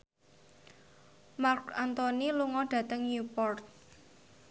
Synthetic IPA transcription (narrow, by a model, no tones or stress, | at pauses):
markant̪ɔniluŋɔɖ̥ä̤t̪əŋnupɔrt̪̚